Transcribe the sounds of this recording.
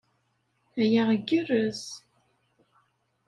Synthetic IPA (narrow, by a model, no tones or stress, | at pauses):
æjaʁəɡərəz